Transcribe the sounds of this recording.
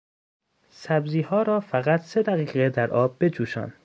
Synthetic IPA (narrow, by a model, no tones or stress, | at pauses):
sæbziːhɒːɾɒːfæɣæt̪ʰse̞d̪æɣiːɣed̪æɾʔɒːb̚ːe̞d͡ʒuːʃɒ̰ːn